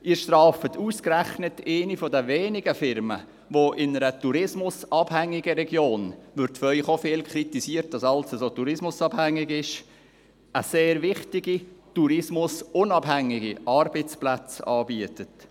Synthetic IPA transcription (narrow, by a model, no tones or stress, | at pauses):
ɪːɾʃtɾɑːfətʰuːskɾæχnəteɪnifɔdəʋeːnɪɡəfɪɾmə̰ | ʋoʔɪnəɾətuɾɪsmʊsɑb̥hæŋːɪɡəɾɛɡjoːnʋʏɾtfɾœʏχofeːlkʰritisiːəɾt̚dɑsɑlsəsoːtuɾɪsmʊsɑb̥hæŋːɪɡɪʃ | ʔəseːɾʋɪχtɪɡituɾɪsmʊsʊnɑbɦæŋːɪɡiʔɑɾbet͡splæt͡sɑ̰ːbiətət